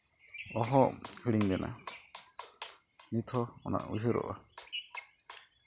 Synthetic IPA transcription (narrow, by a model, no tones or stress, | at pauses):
ɔɦɔʔhiɽiɲɡɛnʔa | nit̪ʰɔɔna̰ʔuɦiɾɔ̰ʔa